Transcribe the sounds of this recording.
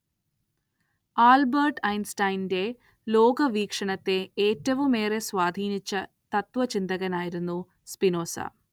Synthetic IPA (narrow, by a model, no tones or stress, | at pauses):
aːlbɐɾʈɐjnsʈɐjnde̞ | loːɡɐʋiːkʂɐɳɐt̪ːeːtːɐʋumeːɾe̞sʋaːd̪ʱiːnit͡ʃːɐ | t̪ɐt̪ʋɐt͡ʃind̪ɐɣɐnaːjiɾunːu | spinoːsa̰ː